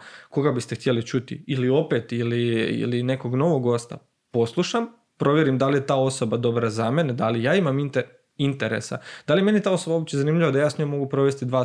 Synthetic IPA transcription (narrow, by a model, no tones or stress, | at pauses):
ko̞ɡabist̪ext̪jelit͡ʃut̪ḭilio̞pe̞t̪iliḭline̞ko̞ɡno̞ʋoɡːo̞st̪a̰ | po̞slˠuʃam | pɾo̞ʋje̞ɾimd̪alije̞t̪aːo̞so̞bad̪o̞bɾazame̞ned̪alijaːimamint̪e | int̪eɾḛsa̰d̪̥alijeme̞nit̪aːo̞so̞bao̞b̚t͡ɕezanimʎiʋad̪ajaːsɲo̞mːo̞ɡupɾo̞ʋe̞st̪id̪ʋaː